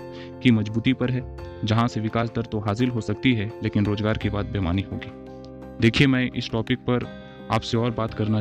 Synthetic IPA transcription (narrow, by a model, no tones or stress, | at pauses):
kimɐd͡ʒbuːt̪ipɐɾɦɛːd͡ʒɐɦãseʋɪkaːs̬d̪ɐɾt̪oɦaːs̬ɪlɦosɐk̚t̪iɦɛleːkɪnɾoːzɡaːɾkibaːt̪̚beːma̰ːniɦo̰ːɡiː | d̪eːkʰiemɛ̃ːʔɪ̰sʈɔːpɪk̚pɐɾ | a̰ːpseɔːɾbaːt̪kɐɾna